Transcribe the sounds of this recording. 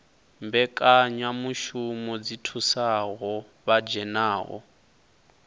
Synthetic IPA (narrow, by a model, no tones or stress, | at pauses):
mbɛkʼaɲamuʃumɔd͡zitʰusaɦɔ | βad͡ʒɛnaːɦɔ̰